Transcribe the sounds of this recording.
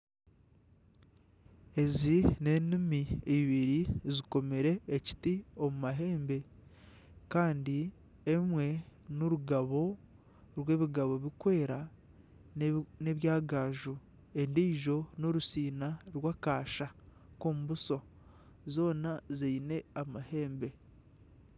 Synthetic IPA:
e̞zine̞nimiiβiɾiziko̞meɾe̞ːci̥tio̞mumaɦe̞ːmbe̞ | kaːndi | emwe̞noɾuɡaβo̞ | ɾwe̞ːβiɡaβo̞βikwe̞ːɾa | ne̞βjaːɡaːʒu | endiːʒo̞noɾusiːnaɾwaːkaːʃa | koːmuβuso̞ | zo̞ːnaziine̞amahe̞ːmbe̞

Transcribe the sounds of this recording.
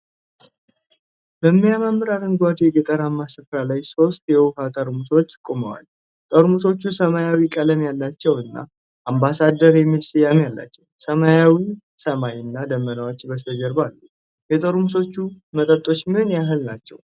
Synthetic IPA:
b̥əmːijamamːɨɾaɾɨŋɡʷat̪ʰɛɡət̪ʼəɾamːasɨfɾalajso̞st̪jɛwkat̪ʼəɾmuso̞t͡ʃːkʼoməwa̰l | t̪ʼəɾmuso̞t͡ʃːusəmajawikʼələmjalːat͡ʃːɛwɨnːa̰ | ʔambasad̪əɾjɛmidsɨjamjalːa̰t͡ʃːɛwsəmajawi | səmajɨnːad̪əmːənəwot͡ʃːbəst̪ʰəd͡ʒəɾbalːu | jɛt̪ʼəɾmuso̞t͡ʃːumət̪ʼət̪ʼːo̞t͡ʃːmihɨnjaɦɨlnat͡ʃːɛ̰w

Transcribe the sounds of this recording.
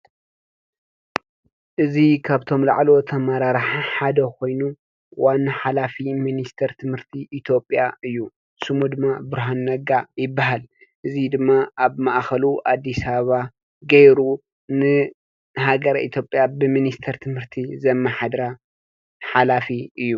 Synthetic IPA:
ʔɨzikʰaβt̪ʰo̞mla̰ʕlo̞t̪ʰɐmaɾaɾħaħad̪ɐkʰo̞jnu | wanːaħalafiminist̪ʰɐɾt̪ʰɨmhɨɾt̪ʰiʔit̪ʰjo̞pʼːjaɨjːu | sɨmud̪ɨmːabɨɾɦanːɐɡajɪbːaɦal | ʔɨzid̪ɨmːaaβmaʔxɐluʔad̪ːisɐβaβa | ɡɐjɾu | nɨ | ɦaɡɐɾʔḭt̪ʰjo̞pʼːjabɨminist̪ʰɐɾt̪ʰɨmhɨɾt̪ʰizɐmːaħad̪ɾa | ħalafiʔɨjːu

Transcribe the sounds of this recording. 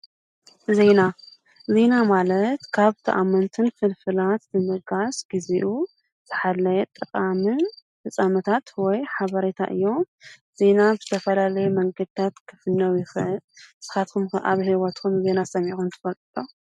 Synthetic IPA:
ze̞na | ze̞namalɐt̪kʰaβt̪ʰɐʔamːɐnt̪ʰɨnfɨlfɨlat̪zɨmɨɡasɡ̥iziʔu | zɨħalːɐjɛt̪ʼɨkʼamɨn | fɨsʼamɐt̪ʰat̪wɔjħaβɐɾet̪ʰa̰ʔɨ̰jːo̞m | z̥e̞nabɨz̥ɨt̪ʰɐfɐlalɐjumɐŋɡɐd̪̚ɨt̪ʰat̪kʰɨ̥fɨnːɐwjɪxɨʔɨlsɨ̥xat̪kʰumxɨʔa̰βhiwɐt̪kʰumze̞nasɐmixunt̪ʰɨ̥fɐlt̪ʼt̪ʼo

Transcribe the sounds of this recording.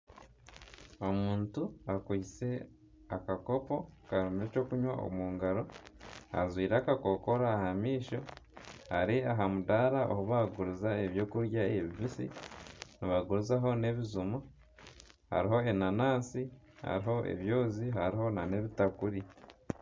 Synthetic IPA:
o̞muːntuakwiːt͡se̞ | akako̞po̞kaɾumeco̞ːkuɲwao̰muːŋɡaɾo̞a̰zwiːɾaːkako̞ko̞ɾaːhamiːʃo̞haɾiaɦamudaɾaʔo̰hoβaɡuɾuzaeβjo̞ːkuɾjaeβiβisḭniβaɡuɾuzaɦo̞ne̞βizumo | ha̰ɾiɦo̞enanaːsi | ha̰ɾiɦo̞ʔḛβjo̞ːziɦaɾiɦo̞nane̞βitakuɾi

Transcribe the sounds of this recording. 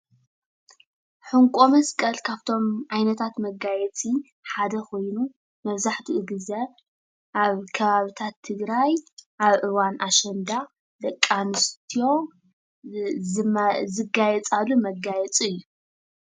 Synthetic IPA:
ħɨŋkʷʼo̞mɐskʼɐlkʰaβt̪ʰo̞mʕajnɐt̪ʰat̪mɐɡajɛt͡sʼi | ħad̪ɐko̞jnu | mɐβzaħt̪ʰiʔɨɡɨzɐ | ʔaβkʰɐβaβit̪ʰat̪ʰːɨɡɾajʔaβʔɨwanʔaʃɛnd̪a | lɐkʼːanɨst̪ʰijo̞ | zɨɡajɛt͡sʼalumɐɡajɛt͡sʼiɨjːu

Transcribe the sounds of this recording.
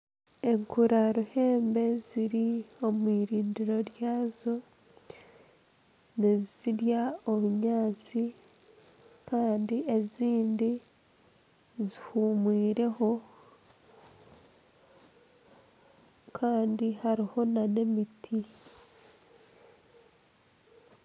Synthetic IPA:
e̞ŋkuɾaɾuhe̞ːmbe̞ziɾio̞mwiːɾiːndiɾo̞ɾjaːzo̞ | neziziɾjao̞βuɲaːt͡si | kaːndie̞ziːndi | zihuːmwiːɾe̞ho̞ | kʰaːndihaɾiho̞nane̞mitʰi

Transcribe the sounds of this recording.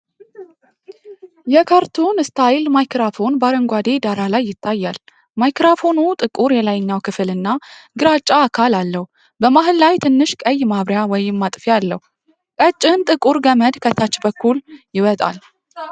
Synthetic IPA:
jɛkʰaɾt̪ʰunɨst̪ʰajɪlmajkɾafo̞nbaɾəŋɡʷad̪e̞d̪aɾalajːɪt̪ʰːajːal | majkɾafonut̪ʼɨkʼuɾjɛlajɲːawkʰɨfɨlɨnːaɡɨɾat͡ʃʼaːkʰalalːəhu | bəmaɦɨllajt̪ʰɨnːɨʃkʼəjːmaβɾjawɔjɪmːat̪ʼfialːəhu | kʼət͡ʃʼːɪnt̪ʼɨkʼuɾɡəməd̪kʰət̪ʰːat͡ʃːbəkːuljɪwət̪ʼa̰l

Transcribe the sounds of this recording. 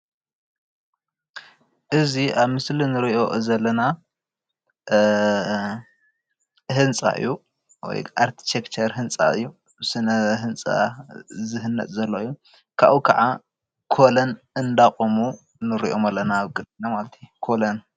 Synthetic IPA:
ʔɨziaβmɨslinɨɾiʔo̞zɐlːɐna | hɨnt͡sʼa̰ʔɨ̰jːu | wɔ̰jʔaɾt̪ʰi̥t̪ʰekt͡ʃʰɐɾɦɨnt͡sʼa̰ɨ̰jːu | sɨnɐɦɨnt͡sʼa̰zɨɦɨnːɐ̰t̪ʼzɐlːoɨjːu | kʰa̰ʔukʰaʕa | kʰolɐn | ɨnd̪aχʼomu | nɨɾḭʔomalːɐnaβkʼɨd̪inamalɐt̪ʰi̥kʰolɐn

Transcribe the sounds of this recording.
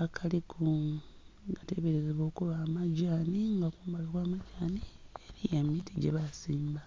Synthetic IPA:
akʰalikʰu | ɡate̞βeɾezeβo̞ːkuβaːmaɟaːniŋɡakuːmbalokwaːmaɟaːnieɾijamitʰiɟḛβasiːmba

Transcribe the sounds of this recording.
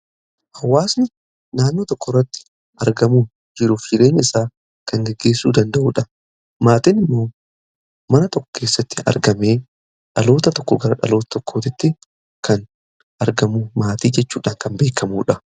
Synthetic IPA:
hɐwːaːsnɪ | naːnːo̞ːt̪ɔkːɔrːɐt̪ːɪ̥ | ɐɾɡɐmuːn | d͡ʒɪɾuːfd͡ʒɪɾeːɲːɐɪsaː | kɐŋɡɛɡːeːsːṵːd̪ɐnd̪ɐʔṵːᶑɐ | maːt̪ɪnɪmːo̞ː | mɐnɐt̪ɔkːɔ̥kʰeːsːɐt̪ːɪ̥ɐ̰ɾɡɐmeː | ᶑɐlo̞ːt̪ɐt̪ɔkːɔɡɐɾɐᶑɐ̰lo̞ːt̪ɐ̥t̪ɔkːoːt̪ɪt̪ːɪ | kɐn | ɐɾɡɐmuːmaːt̪iːd͡ʒɛt͡ʃːṵːᶑaːŋkɐmbe̞ːkʰːɐmuːᶑɐ

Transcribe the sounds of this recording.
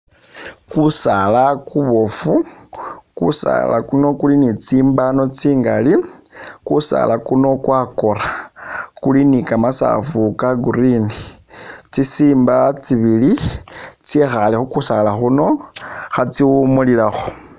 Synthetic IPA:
kusalakuβo̞fu | kṵsa̰la̰kuno̞kulinit͡siːmbano̞t͡siːŋɡalikusa̰lakuno̞kwako̞ɾakulinikamasa̰fukaɡurinit͡sisiːmbat͡siβili | t͡siexalixukusalaxuno̞xat͡siumulilaxo̥

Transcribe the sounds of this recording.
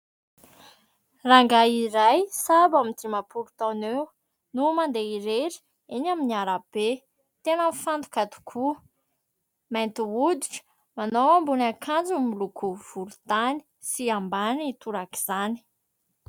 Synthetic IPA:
raŋɡaiɾajsabamit̪imapʰuɾu̥t̪anew | numand̪eiɾeɾi̥ | iɲaminiaɾab̥e | t̪enənfant̪u̥kat̪u̥kʰu | majnt̪iɦud̪iʈ͡ʂə̥ | manowambunakʰand͡zumilukʰuv̥uɾut̪ani̥ | siambanit̪uɾaki̥z̥ani̥

